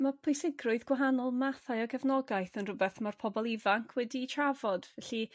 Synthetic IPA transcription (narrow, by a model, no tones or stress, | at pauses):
mapʰojsɪɡrʊɨðɡ̥waɦanɔlˠmaθajɔɡɛvnɔɡaɨθənrʊbɛθmarpʰɔbɔlˠivaŋkʰwɛditʰravɔd̥vɛɬi